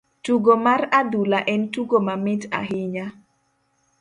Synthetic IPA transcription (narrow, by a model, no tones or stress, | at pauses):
tuɡomarad̪ulaʔɛntuɡomamɪta̰ɦɪɲa